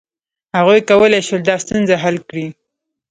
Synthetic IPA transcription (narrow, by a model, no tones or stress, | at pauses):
haɣujkawəlajʃwald̪ɑst̪unzaɦalkɽi